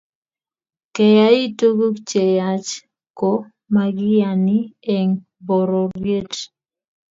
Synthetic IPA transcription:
kɛ˨ja˦i˦to˦ɡo˦kt͡ʃe˨ja˨t͡ʃ | ko˨ | ma˨ɡɪ˦ja˨ni˦e˨ŋ | bɔ˨ɾɔ˨ɾje˦t

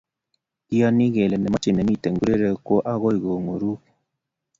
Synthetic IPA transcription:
i˦ɔ˦ni˦ɣɛ˨lɛ˨nɛ˨mɔ˦t͡ʃe˨nɛ˨mi˦˨te˨ŋɡu˦ɾe˦ɾe˨kwo˦ʔa˦ɣɔ˦i˨ɣo˨ŋo˨ɾu˦k

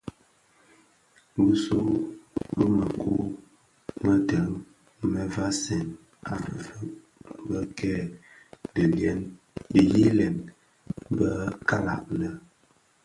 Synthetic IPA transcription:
bu˦so˦bə˦mə˨ku˦ | mə˦tə˨˦ŋ | mə˨va˦sɛ˨n | a˨və˦ | bə˦kɛ˦ | də˨ljɛ˦n | di˨ji˦lɛ˨n | bə˦ka˦la̰˨ʔ̚nə˨

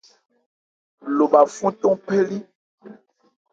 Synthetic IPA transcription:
lo˨ba˨fũ˦tɔ̃˦pe˦li˦

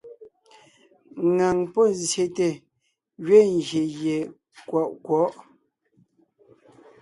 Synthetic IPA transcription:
ŋa˨ŋpɔ˦˨nzje˦te˨ | ɣɥe˦˨ŋ˨ɡje˨je˨ | kwɔ˨ʔkwɔ˨˦ʔ

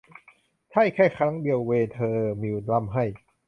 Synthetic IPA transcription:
t͡ɕ̪ʰa˥˩jkʰɛː˥˩jkʰɾa˦˥ŋdi˧əwweː˧nt̪ʰɤː˧miː˧wla˧˥˩mɦa˥˩j

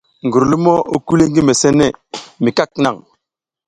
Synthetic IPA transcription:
ŋɡu˨ɾlu˦mo˦o˦ku˦le˦ŋ˦ɡi˦me˨se˦ne˦˨mi˨ka˦kna˨ŋ

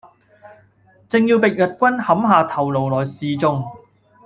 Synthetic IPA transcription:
t͡sɪ˨ŋjiː˧wpɪ˨k̚jɐ˨t̚kʷɐ˥nhɐ˨˥mɦaː˨˧t̪ʰɐ˨˩wlo˨wlɔː˨˩jsiː˨t͡sʊ˧ŋ

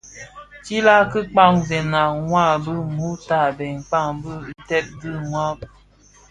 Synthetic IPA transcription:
t͡ʃi˦la˦kɨ˦k͡pa˦ŋzɛ˨na˨ŋwa˦˨bə˦ŋu˦ta˦˨bɛ˨ŋk͡pa˦˨ŋbə˦tɛ˦p̚dɨ˦ŋwa˦˨p

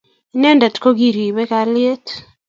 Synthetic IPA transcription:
inɛ˦nda˨tko˦ɡi˦ɾi˨bɛ˦ka˨lɪe˦t

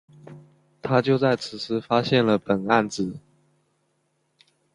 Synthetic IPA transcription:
t̪ʰa˥t͡ɕjo˥˧ʊt͡sa˥˩ɪt͡sʰɹ̩˨˩ʂɹ̩˥fa˥ɕjɛ˥˩nlə˩pə˨˩na˥˩nt͡sɹ̩˨˦

